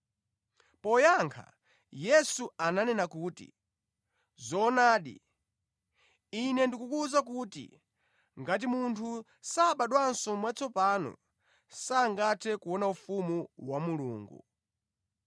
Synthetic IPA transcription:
pɔjaŋkʰa̰ | jɛsuananɛnakuːtḭ | zɔnaːɗḭ | inɛndikukuzak̬uːtḭ | ŋɡat̬imuntʰu | saɓaɗwansɔmwat͡sɔpaːnɔ̰ | saːŋɡatʰɛkuwɔnaufumuwamuluːŋɡṵ

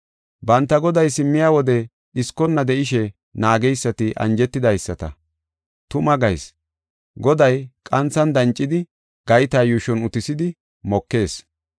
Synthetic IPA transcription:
bɐnt̪ːɐɡɔd̪ɐjsɪmːɪjaːwɔd̪ɛ | ɗɪskːɔnːɐd̪ɛʔɪʃɛ | naːɡɛjsːɐt̪ɪʔɐ̰nd͡ʒɛt̪ːɪd̪ɐjsːɐt̪ɐ̰ | t̪ʊmɐɡɐjs | ɡɔd̪ɐjkʼɐnt͡sːɐnd̪ɐnt͡ʃʼːɪd̪ɪ | ɡ̥ɐjt̪aːjuːʃɔnʊt̪ɪsɪd̪ɪ | mɔkːe̞ːs

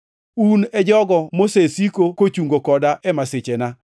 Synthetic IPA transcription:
unɛd͡ʒɔɡɔmosesikokot͡ʃuŋɡokɔdaʔɛmaset͡ʃena

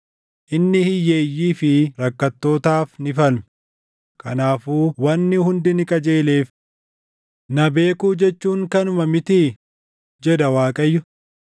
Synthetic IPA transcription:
ʔɪnːɪhɪjːe̞ːjːiːfɪɾɐkːɐt̪ːo̞ːt̪aːfnɪfɐlm | kʰɐnaːfuːwɐnːɪhʊnd̪ɪnɪkʼɐd͡ʒe̞ːle̞ːf | nɐbe̞ːkuːd͡ʒɛt͡ʃːuːŋkɐnʊmɐmɪt̪i | d͡ʒɛd̪ɐwaːkʼɐjːʊ

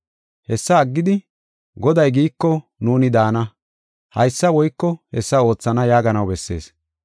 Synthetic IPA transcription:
hɛsːɐːɡːɪd̪ɪ | ɡɔd̪ɐjɡiːkːɔnuːnɪd̪aːnɐ | hɐjsːɐwɔjkːɔhɛsːɐo̞ːt͡sːɐnɐjaːɡɐnɐwbɛsːe̞̰ːs

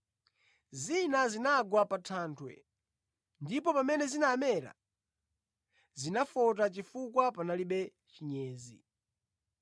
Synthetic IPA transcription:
zinazinaɡwapatʰaːntʰwɛ̰ | ndipɔpamɛnɛzinamɛɾa̰ | zinafɔt̬at͡ʃifukwapanaliɓɛ | t͡ʃiɲɛːzḭ

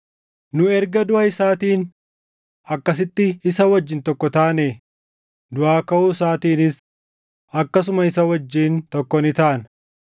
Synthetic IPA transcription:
nʊɛɾɡɐd̪ʊɐɪsaːt̪iːn | ɐkːɐs̬ɪt̪ːɪɪsɐwɐd͡ʒːɪnt̪ɔkːɔt̪aːne | d̪ʊʔaːkɐʔuːs̬aːt̪iːnɪs | ɐkːɐs̬ʊmɐɪsɐwɐd͡ʒːiːnt̪ɔkːɔnɪt̪aʔɐn

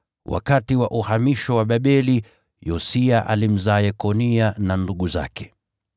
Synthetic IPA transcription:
wʔa̰katiwaʔuhamiʃɔwaɓaɓɛli | jɔsiaʔa̰lim̩zaːɛkɔniananduɠuza̰kɛ̥

